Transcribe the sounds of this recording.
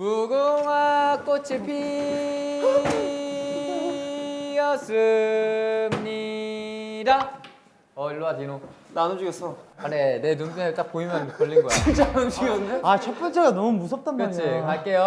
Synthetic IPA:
muɡoŋwak͈ot͡ɕʰipʰi | jʌs͈ɯ | mɲi | da | ʌiɭːoadino | nanɯd͡ʑuɡes͈ʌanene̞numtɯŋet͈ak̚poimjʌnkʌʎːinɡʌit͡ɕant͡ɕʰiɡʌndeat͡ɕʰʌp͈ʌnt͡ɕʰeɡanʌmumusʰʌp̚t͈anɡet͡ɕ͈ikaɭk͈e̞jo

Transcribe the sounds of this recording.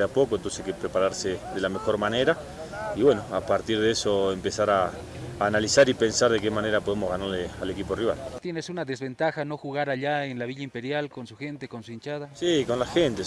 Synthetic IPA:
eapo̞koent̪o̞nseskepɾepaɾaɾseðe̞lame̞xo̞ɾmane̞ɾa | iβwe̞no̞apaɾt̪iɾðeeso̞empe̞saɾaː | nalisaɾipe̞nsaɾðe̞kemane̞ɾapo̞ðemo̞zɣanaɾlealekipo̞riβ̞a̰lt̪jenesunaðezβe̞nt̪axano̞xuɣaɾaʎaenlaβ̞iʎaimpeɾjalko̞nsuxe̞nt̪eko̞nsuint͡ʃaðasiko̞nlaxent̪e

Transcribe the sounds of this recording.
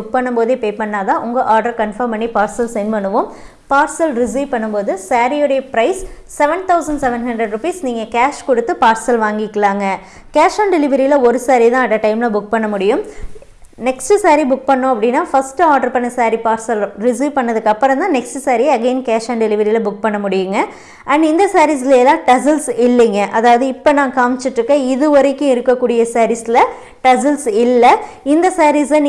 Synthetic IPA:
ʊk̚pɐɳːɯmpoːðeːpeːpɐɳːaːt̪ãːʔʊŋɡɐʔaːɾɖɐɾkɐnfɐɾmbɐɳːipaːɾsɐlsɛnbɐɳːɯʋõːm | paːɾsɐlɾɪs̬iːʋpɐɳːɯmpoːðɯsaːɾijɯɽɐjɐpɾɐɪsː | ɛʋɛnt̪ʰɐʊsɐ̃ɳɖsɛʋɛnɦɐɳɖɾɐɖɾʊpiːsniːŋɡɐkaːʂkɔɽɯt̪ːɯpaːɾsɐlʋaːŋɡɪkːɐɭaːŋɡɐ | kaːʂaːɳɖɛlɪʋɐɾijɪlɐɔɾɯsaːɾit̪ãːɐʈ̪ːɐʈɐɪmlɐbʊk̚pɐɳːɐmʊɽɪjɯm | nɛksʈɯsaːɾibʊk̚pɐɳːʊ̃ɐp̬ːɐɽɪnːaːfɐsʈɯaːɖɐɾpɐɳːɐsaːɾipaːɾsɐlɾɪs̬iːʋpɐɳːɐðɯkːɐpːɯɾɐmt̪ãːnɛksʈɯsaːɾiɐɡeːnkaːʂaːɳɖɛlɪʋɐɾilɐbʊk̚pɐɳːɐmʊɽɪjɯŋɡɐ | ʔɐɳɖɪnd̪ɐsaːɾis̬lɐɛlːãːʈɐsɐlsɪlːɛŋɡɐʔɐðaːʋɐðɯɪpːonãːkaːmt͡ʃːɪʈɾɯkːɐ̃ɪðɯɔɾɐɪkːʊ̃ɪɾɯkːɐkːuːɽɪjɐsɐɾislɐ | ʈɐsɐlsɪlːɐ | ɪnd̪ɐsaːɾisɐn

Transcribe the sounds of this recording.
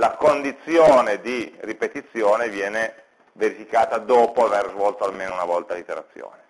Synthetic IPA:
lakond̪it̪sːjoːned̪iripet̪it̪sːjoːnevjɛːne | veɾifikaːt̪ad̪ɔːpoaverzvɔlt̪oalmeːnounavɔlt̪alit̪eɾa̰t̪sːjo̰ːne

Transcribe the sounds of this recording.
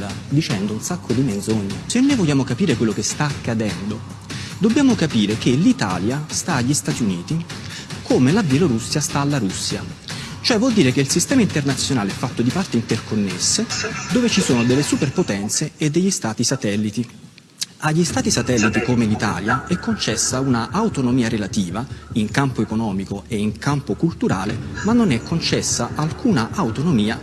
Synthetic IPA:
ad̪it͡ʃɛnd̪ounsakʰːod̪imenzoɲːesenːojvoʎːaːmokapiːɾekwelːokest̪akːad̪ɛnd̪o | d̪obːjaːmokapiːɾek̟elit̪a̰ːljast̪aːʎːist̪aːt̪iuniːt̪i | komelabjɛloɾusːjast̪aːlːaɾusːja | t͡ʃoɛvwɔld̪iːɾekeilsist̪ɛːmaint̪ernat̪sjonaːleɛfːat̪ːod̪ipart̪eint̪erkonːesːed̪oːvet͡ʃisoːnod̪elːesuperpot̪ɛnt̪seːd̪ːeʎːist̪aːt̪isat̪ɛlːit̪i | aʎːist̪aːt̪isat̪ɛlːit̪ikomelit̪a̰ːljaɛkːont͡ʃɛsːaunaʔawt̪onomiːaɾelat̪iːvaiŋkampoekonɔːmikoeiŋkʰampokult̪uɾa̰ːlemanːonɛkʰːont͡ʃɛsːaʔalkʰuːnaʔawt̪onomiːa

